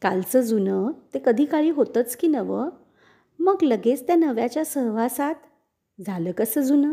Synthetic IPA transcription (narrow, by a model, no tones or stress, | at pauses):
ka̰lt͡səd͡zunət̪ekəd̪ʱiːkaɭiːɦot̪ət͡skiːnəʋə | məɡləɡet͡st̪janəʋjat͡ɕjasəɦʋ̤asat̪ | d͡zʱaləːkəsəd͡zunə